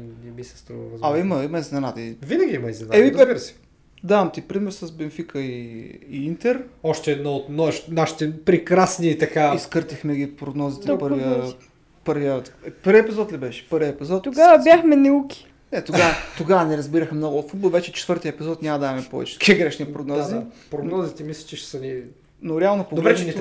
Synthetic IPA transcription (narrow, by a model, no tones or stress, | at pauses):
nɛmisɛ̥st̪ɾuvvzɐimɐimɐiznɛnat̪əivinəɡʲiimɐiznɛnaɛibiɾsɛ̥ | d̪aɐmt̪ipɾimɛɾsəsbɛnfikʰəiː | int̪ɛɾɔʃt̪ɛːd̪nɔot̪nɔɛʃi̥naʃi̥t̪ɛpɾɛkɾasnit̪ɐkaiskəɾt̪ixmɛɡipɾoɡnɔzit̪ɛpɤɾviə | pɤɾviət̪pəɾvʲiəɛpizɔt̪libɛʃɛ̥pəɾviəɛpizɔt̪oɡavɐbjaxmɛnɛukʲi̥ | nɛt̪oavət̪oɡavɐnɛɾɐzbiɾəxmnɔɡoot̪fud̪̚bolˠvɛt͡ʃɛt͡ʃɛt̪vɤɾt̪ijəɛpizɔt̪nʲamɐd̪amɛpɔvɛ̰t͡ʃɛt̪ɐ̥kiəɡɾɛʃnipɾoɡnɔzipɾoɡnɔzit̪ɛmislʲɐ̥t͡ʃɛʃsɐni | noɾɛalˠnopoɡd̪lɾɛt͡ʃnɛ